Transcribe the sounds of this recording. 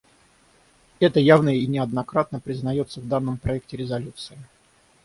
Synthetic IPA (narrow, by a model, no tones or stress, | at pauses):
ɛt̪əjavnəinʲɪɐd̪nɐkɾat̪̚nəpɾʲɪznɐjo̞t̪səvd̪anːəmpɾɐɛk̚tʲɪɾʲɪzɐlʲut̪sɨɪ